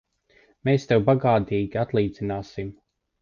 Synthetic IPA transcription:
meːst̪ɛwbaɡaːt̪iːɡʲiat̪lˠiːd̪zinaːsim

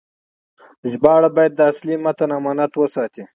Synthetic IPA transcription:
ʒbɑɽabɑjad̪̚ːəaslimat̪anamɑnat̪wəsɑt̪i

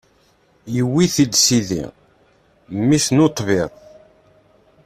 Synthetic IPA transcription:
jəwiθid̪siðḭ | mːisnot̪ˤːviðˤ

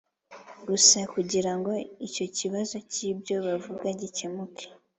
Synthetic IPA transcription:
ɡusakuɟiɾaŋɡo̞ico̞ciβazo̞cibɟo̞βavuɡaɟicemukʰe̥

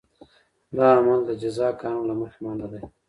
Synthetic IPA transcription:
d̪ɑamald̪əd͡ʒazɑkɑnlaməxmɑnd̪ad̪aj

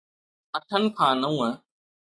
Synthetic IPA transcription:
ɐʈʰənɪ̆kʰãːnəũːɦɛ̃ː

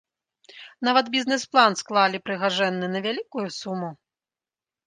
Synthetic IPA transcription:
navɐt̪bʲiznɛsplˠansklˠalʲipɾɨɣaʐɛnːɨnɐvʲalʲikujusumu

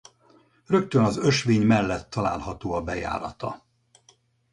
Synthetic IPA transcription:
rø̞k̚t̪ønɒzø̞ʃʋeːɲmɛlːɛt̪ːɒla̰ːlɦɒt̪oːɒbɛja̰ːɾɒt̪ɒ

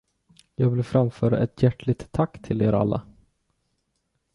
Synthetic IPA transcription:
jɑːɡvɪlfɾamfœːɾa̰ʔɛt̪jæʈːɭɪɡ̚t̪ʰːakːt̪ʰɪleːɾa̰lːa̰

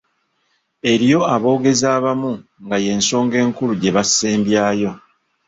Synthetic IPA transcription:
e̞ɾijo̞aβo̞ːɡe̞zaːβamuŋɡaje̞ːnso̞ːŋɡe̞ːŋkuluɟe̞βasːeːmbjaːjo̞

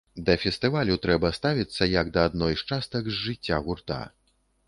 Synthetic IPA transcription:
d̪ɐfʲɛst̪ɨvalʲut̪ɾɛbɐst̪avʲit̪sːɐjɐɡd̪ɐːd̪nɔjʂt͡ʂast̪ɐɡzʐɨt͡sʲːaɣurt̪a̰

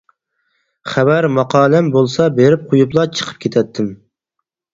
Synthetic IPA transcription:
χæbæɾmɑqʰɑːlɛmbolˠsɑbeɾɪp̚qʰojuplˠɑt͡ʃʰə̥qʰə̥p̚kʲʰet̪ʰɛt̪ʰːɪm

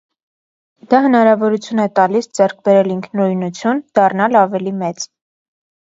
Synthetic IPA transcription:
d̪̥ɑɦənɑɾɑvɔɾut͡sʰjunɛt̪ɑlisd͡zɛɾk̚ʰbɛɾɛliŋkʰnɔjnut͡sʰjund̪̥ɑrnɑlɑvɛlimɛt͡s

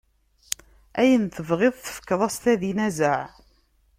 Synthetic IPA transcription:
æjənθəvʁeðˤθə̥fə̥kːəðˤæst̪æðinæzəʕ

